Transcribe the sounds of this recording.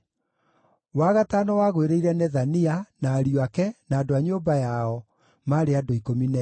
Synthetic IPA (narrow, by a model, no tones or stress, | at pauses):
waːɣataːnɔwaɣweɾeiɾɛnɛðanianaːɾioakɛnaːdoaɲoːbajaɔ | maːɾeadoikominɛ